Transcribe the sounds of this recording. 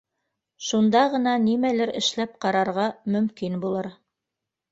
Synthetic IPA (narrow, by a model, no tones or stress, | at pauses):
ʃund̪ɑʁɤ̆nɑnimælɘɾɘ̆ʃlæp̚qɑɾɑɾʁɑmɵ̆mkinbulˠɤɾ